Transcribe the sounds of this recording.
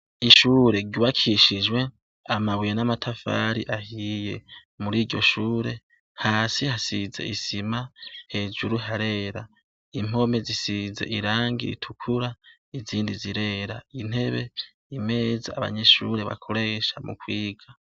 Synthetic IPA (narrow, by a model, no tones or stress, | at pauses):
iʃuːɾe̞ɾɟuβakʰiʃid͡ʒwe̞ | amaβijenamatʰafa̰ːɾḭʔahije̞̰ | muɾiːɾɟo̞̰ʃuːɾe̞ | haːsihasize̞̰ʔisimahe̞ːd͡ʒuɾuɦaɾe̞ːɾa | im̥o̞me̞zisize̞̰ʔiɾaːŋɡḭɾḭtʰukʰuɾa | iziːndiziɾe̞ːɾain̥he̞βe̞ | ime̞ːzaaβa̰ɲe̞ʃuːɾe̞βa̰kʰoɾe̞ʃamṵkwiːɡ̥a